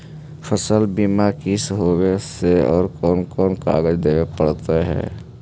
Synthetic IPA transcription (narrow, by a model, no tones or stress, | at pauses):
fʰəsəlbiːmakɪsɦoːɡeseɔ̰ːɾkɔːnkɔːnka̰ːɡəd͡ʒd̪eːepəɽt̪aɦɛ̰ː